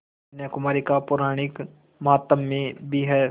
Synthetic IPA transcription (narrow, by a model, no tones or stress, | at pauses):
njɛkʊmaːɾikapʊɾaːɽ̃ɪk | mɐɦaːt̪ːəmːẽbʱiɦɛː